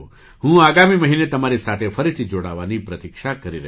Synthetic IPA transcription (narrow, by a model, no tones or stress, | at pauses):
ɦũaɡamiməɦinet̪əmaɾisat̪ʰefəɾit̪ʰid͡ʒoɽaʋanipɾət̪ikʃakəɾiɾɛ